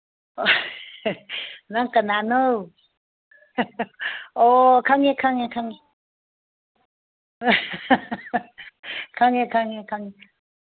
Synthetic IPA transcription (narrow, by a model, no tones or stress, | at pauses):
naŋkananow | okʰaŋekʰaŋekʰaŋe | kʰaŋekʰaŋekʰaŋe